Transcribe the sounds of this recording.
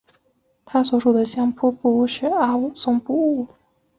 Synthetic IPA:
t̪ʰa˥swɔ˨˩˥ʂu˨˩d̪ə˦ɕjɑ˥ŋpʰu˥pu˥˧u˥˩ʂɻ̩˥˩a˥u˥˩sʊ˥ŋpu˥˧u˥˩

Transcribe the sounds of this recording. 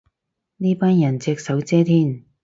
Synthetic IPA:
niː˥paː˥njɐ˨˩nt͡sɛː˧k̚sɐ˨˥wt͡sɛː˥t̪ʰiː˥n

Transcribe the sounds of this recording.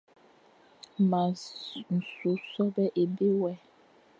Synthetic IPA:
ma˨n̩˨su˨sɔ˦bɛ˦ʔe˨be˦wɛ˦

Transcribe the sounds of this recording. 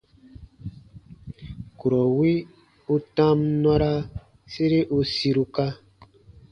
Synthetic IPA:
ku˨ɾɔ˨wi˦ | u˦tã˦mnɔ˦ɾa˦ | se˦ɾe˦ʔu˦si˧ɾu˧ka˦

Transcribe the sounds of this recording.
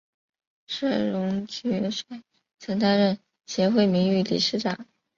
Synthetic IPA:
ʂa˥˩ɻʊ˧˥ŋt͡ɕɛ˧˥ʂwa˥˩ɪ | t͡sʰɤ˧˥ŋt̪a˥nɻə˥˩n | ɕjɛ˧˥xwe˥˩ɪmi˧˥ŋy˥˩lḭ˨˩ʂɻ̩˥˩ʈ͡ʂɑ˨˩˦ŋ

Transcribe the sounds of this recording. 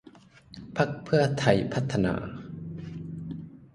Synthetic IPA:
pʰa˦˥k̚pʰɯ˥˩ɐt̪ʰa˧˩jpʰa˦˥t̪ʰːa˧na̰ː˧

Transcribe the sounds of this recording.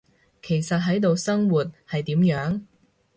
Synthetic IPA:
kʰe˨˩jsɐ˨t̚ɦɐ˨˥jt̪o˨wsɐ˥ŋwuː˨˩t̚hɐ˨jt̪iː˨˥mjœː˨˥ŋ

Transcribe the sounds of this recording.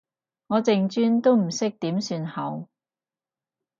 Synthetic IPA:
ŋɔː˨˧t͡sɪ˨ŋt͡ʃyː˥nt̪o˥wm̩˨˩sɪ˥k̚t̪iː˨˥msyː˧nhɐ˨˥w

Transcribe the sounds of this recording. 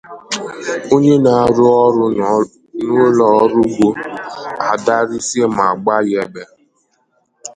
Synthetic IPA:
o˦ɲe˦na˨a˦ɾʊ˦ɾʊ˦ | nʊ˦lɔ˨ɔ˦ɾʊ˦ɡ͡bo˦ | a˨da˦ɾi˦se˦ma˨ɡ͡ba˦jɛ˦be˦

